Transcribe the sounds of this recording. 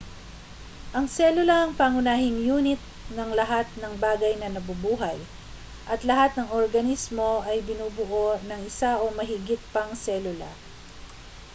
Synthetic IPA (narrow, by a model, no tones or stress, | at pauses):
ʔɐŋsɛlʊlɐɐŋpɐŋʊnaːhɪŋjuːnɪt̪̚nɐŋlɐɦat̪̚nɐŋbaːɡɐjnɐnɐbʊbuːɦɐj | ʔɐt̪lɐhat̪̚nɐŋoɾɡɐnismo̞ʔɐjbɪnuːbʊʔo̞nɐŋɪsaʔo̞mɐɦɪɡɪt̪̚pɐŋsɛːlʊlɐ̰